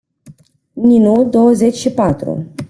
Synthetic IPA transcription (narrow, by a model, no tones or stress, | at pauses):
ninud̪o̞wəze̞t͡ʃʲʃipat̪ɾṵ